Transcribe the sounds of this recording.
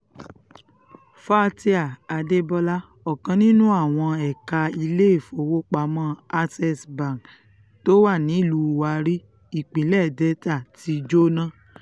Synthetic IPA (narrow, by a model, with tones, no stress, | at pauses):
fa˦˧ti˦a˨a˧de˦bɔ˧la˦ | ɔ˨kã˧nĩ˦nũ˦a˦˨w̃ɔ̃˧ɛ˨ka˧i˧le˦e˦˨fo˨˦wo˦k͡pa˨˦mɔ̃˦a˧sɛ˧sba˨n | to˦wa˦˨nĩ˨˦i˦˨lu˧˨wa˧ɾi˦ | i˦˨k͡pĩ˨˦lɛ˦˨dɛ˦ta˦˨ti˨˧d͡ʒo˦nã˦˨